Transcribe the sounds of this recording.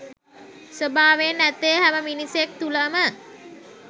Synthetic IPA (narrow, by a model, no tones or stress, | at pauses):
səbʱaːʋenæt̪ejəɦæməminisjek̚t̪uləmə